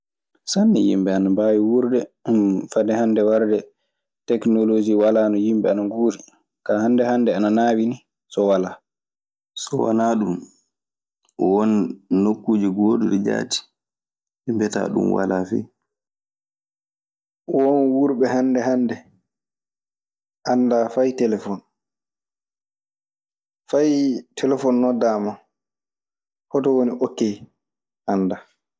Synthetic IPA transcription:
sanːḭjḭmbɛanabawiwuɾdɛmfadɛhandɛwaɾdɛ | tɛknɔlod͡ʒiwalaːnɔjimbɛanaŋɡuːɾi | kahandɛhandɛananawini | sɔwala | sɔwa̰naːɗum | wɔnːokːuːd͡ʒiɡoːduɗɛd͡ʒa̰ːti̥ | ɛmbɛta̰ɗṵmwa̰lafɛ̰ | wɔnwuɾɓɛɦandɛɦandɛ | ʔandafajtɛlɛfɔn | fajtʰɛlɛfɔnːɔdama | hɔtɔwoniʔokːɛ | ʔanːda

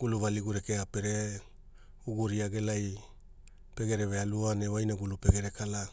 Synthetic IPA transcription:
ɡ̥uluβaliɡuɾekeape̞ɾe | uɡuɾiaɡe̞laj | pe̞ɡe̞ɾeβealuanewajnaɡulupe̞ɡe̞ɾe̞kala

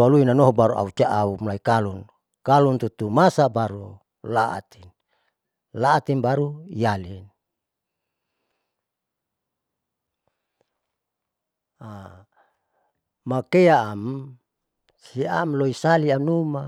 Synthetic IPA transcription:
aluinanɔɦɔbaɾua̰ut͡ʃaʔaumlaikalun | kalunt̪ut̪umasabaɾu | laʔa̰t̪in | laːt̪inbaɾujalin | a | makeaːm | sia̰mloisaliamnuma

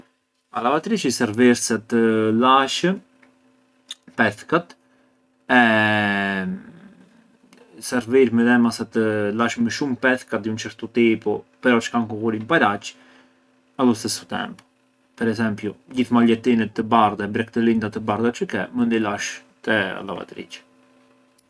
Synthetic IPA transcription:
a̰lavat̪ɾiʃisɛɾviɾsɛt̪əlaʃə | pɛθkat̪ | ɛ | sɛɾviɾmɛðɛmasɛt̪əlaʃməʃumpɛθkat̪d̪iunt͡ʃəɾt̪ɔt̪ipɔpɛɾɔt͡ʃə̥kankɔkuɾimpaɾat͡ʃ | aðusɛsu̥t̪ɛ̰mp | pɛɾɛzɛmpjud͡ʑiθmaʎɛt̪inɛt̪ːəbaɾðaɛbɾɛk̚t̪əlind̪at̪əbaɾðat͡ʃəkɛmənd̪ilaʃ | t̪ɛa̰lˠa̰va̰t̪ɾḭt͡ʃ

